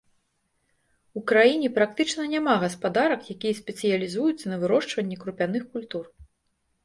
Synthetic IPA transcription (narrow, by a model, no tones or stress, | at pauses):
ukɾajinʲɛpɾak̚t̪ɨt͡ʂnɐnʲamaɣɐspad̪aɾɐkjakʲijɐsʲpʲɛt̪sɨjɐlʲizujut̪sːɐnɐvɨɾɔʂt͡ʂvɐnʲːɛkɾupʲanɨxkulʲt̪ur